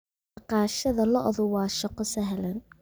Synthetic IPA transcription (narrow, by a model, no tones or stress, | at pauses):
qɑːʃɐðɐlɐʔɔðʊwɑːʃɐqɔsɐɦlɐn